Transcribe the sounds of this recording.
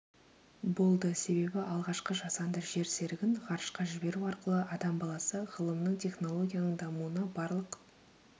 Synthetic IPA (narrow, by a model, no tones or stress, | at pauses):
bo̞lˠd̪əse̞βe̞bɪʔɑlˠʁɑʃqəʒɑsɑnd̪əɾʒe̞ɾse̞ɾɪɡʲɪɴʁɑɾʃqɑʒɪbe̞ɾuɑɾqəlˠəʔɑd̪ɑmbɑlˠɑsəʁəlˠəmnəɴt̪ʲʰe̞χno̞lˠo̞ɡʲijanəɴd̪ɑmuənɑbɑɾlˠəq